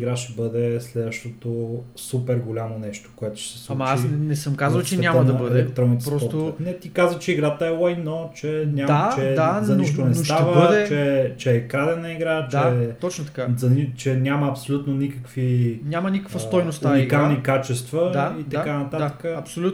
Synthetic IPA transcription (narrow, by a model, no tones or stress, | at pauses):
iɡɾaʃɛbɤd̪ɛslɛd̪vəʃt̪ot̪o | supɛɾɡolʲamonɛʃt̪o̥koɛt̪ʊ̥ʃsɛ̥slˠaumɐt͡ʃaisnɛsəmkazəlˠt͡ʃɛnʲamənɐbəd̪ɛkt̪ɾɔmnit̪ɾsɔsɔt̪nɛt̪ikazvət͡ʃɛiɡɾat̪əɛlˠajnot͡ʃɛnʲad̪at͡ʃɛd̪azɐniʃt̪onɛstʃavəəd̪ɛt͡ʃɛt͡ʃɛːkɾad̪ɛnəiɡɾat͡ʃɛɔt͡ʃnot̪ɐkazɐnit͡ʃɛnʲjaməːpsolʲut̪nonikəkvinʲjamɐnikəkvəst̪ɔjnosuaniɡkalˠnikat͡ʃɛst̪vəd̪ait̪ɐkanɐt̪at̪ə̥kəɐpsolʲu